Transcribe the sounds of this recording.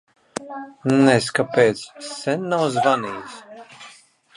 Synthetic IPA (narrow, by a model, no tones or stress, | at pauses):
nnɛskapɛːt̪ssɛnːawzvaniːs